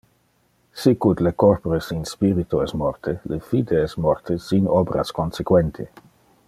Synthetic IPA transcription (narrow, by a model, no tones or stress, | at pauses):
sikud̪lekɔrpoɾesinspiɾit̪oɛsmɔrt̪ʰelefid̪eɛsmɔrt̪ʰesinɔbɾa̰skonsekwɛnt̪ʰḭ